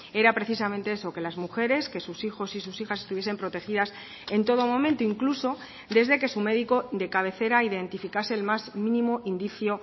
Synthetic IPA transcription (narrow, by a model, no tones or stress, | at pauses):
e̞ɾapɾeθisamẽnt̪e̞eso̞ke̞lazmuxe̞ɾe̞ske̞susixo̞sisusixase̞st̪uβjese̞mpɾo̞t̪e̞xiðas | e̞nt̪o̞ð̞o̞mõmẽnt̪oiŋkluso̞ | d̪e̞zðe̞ke̞sume̞ðiko̞d̪e̞kaβ̞e̞θe̞ɾaiðe̞nt̪ifikase̞ːlmazmĩnĩmoʔind̪iθjo